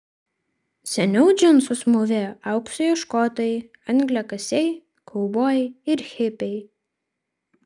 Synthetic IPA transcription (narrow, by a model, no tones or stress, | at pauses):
sʲɛnʲɛʊd͡ʒʲʊnsʊsmʊʋʲɛɐˑʊksɔjoʃkoːt̪oːjɪ | ɐŋʲɡʲlʲɛkɐsʲɛɪ | kʰɔʊboːjɪɾxʲɪpʲɛɪ